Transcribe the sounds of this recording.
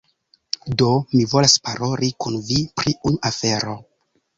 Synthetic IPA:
do̞mivo̞laspaɾʔo̞ɾikunvipɾiunʔafe̞ɾo̞

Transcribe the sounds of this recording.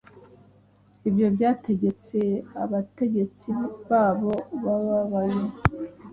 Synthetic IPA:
ibjo̞bjaːte̞ɟe̞t͡se̞aβate̞ɟe̞t͡siβaːβo̞βaβaβaje

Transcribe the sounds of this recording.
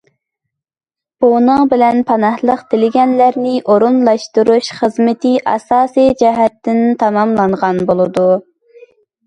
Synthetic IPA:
b̥onəŋbɪlɛnpʰɑnɑhlˠəqt̪ʰɪlɪɡʲɛnlæɾnɪʔoɾunlˠɑʃt̪uɾuʃχəzmɪt̪ʰɪʔɑ̰sɑːsijd͡ʒɛɦɛt̪ːɪnt̪ʰɑmɑmlˠɑɴʁɑnbolˠɨd̪u

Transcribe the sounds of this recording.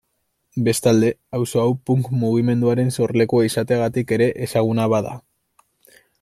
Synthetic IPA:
be̞st̪ald̪e̞awso̞awpuŋkmuɣ̞ime̞nd̪uaɾe̞nso̞ɾle̞kuaisat̪e̞aɣat̪ike̞ɾe̞ʔesaɣ̞unaβaða̰

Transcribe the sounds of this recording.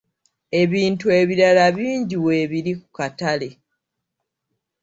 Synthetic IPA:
e̞βiːntue̞βiɾalaβiːɲɟiwe̞ːβiɾikukatale̞

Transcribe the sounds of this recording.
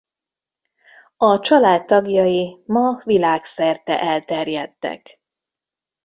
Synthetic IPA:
ɒt͡ʃɒlaːt̪ːɒɡjɒjimɒvilaːksɛrt̪ɛ̰ʔɛlt̪ɛrjɛt̪ːɛ̰k

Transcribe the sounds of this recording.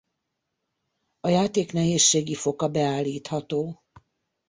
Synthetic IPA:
ɒjaːt̪eːknɛɦeːʃːeːɡifo̞kɒbɛaːlːiːt̪hɒt̪oː

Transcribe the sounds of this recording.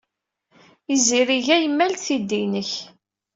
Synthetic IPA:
iziɾiʝæjəmːælθid̪ːinəç

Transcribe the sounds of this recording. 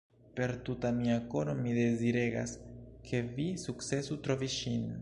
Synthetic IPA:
pe̞ɾt̪ut̪amiakoɾomiðeziɾeɡa̰skʰevisuksesut̪ɾoviʃin

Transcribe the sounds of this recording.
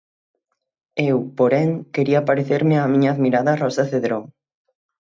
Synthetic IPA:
ewpoɾɛŋkeɾiapaɾeθeɾmɪamiɲɐːðmiɾaðɐrɔsɐθeðɾoŋ

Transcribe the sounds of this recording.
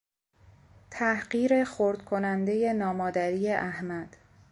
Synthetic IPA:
t̪ʰæhɢiːɾe̞xoɾd̪kʰo̞nænd̪e̞je̞nɒːmɒːd̪æɾiːje̞ʔæhmæd̪̥

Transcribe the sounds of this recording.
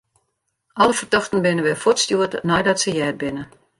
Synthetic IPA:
ʔɔləfərdɔxtən̩bɪnəʋɛfotstjuətnɔjdɔtsəjɛːd̚bɪnə

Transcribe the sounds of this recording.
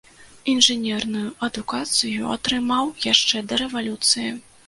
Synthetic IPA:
inʐɨnʲɛrnujuɐd̪ukat̪sɨjṵa̰t̪ɾɨmawjaʂt͡ʂɛd̪ɐɾɛvalʲut̪sɨji

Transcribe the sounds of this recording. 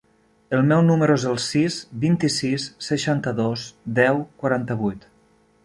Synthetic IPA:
əlˠmɛwnuməɾuezəlˠsisbint̪isisːəʃant̪əðosd̪ɛwkwaɾant̪əβujt̪

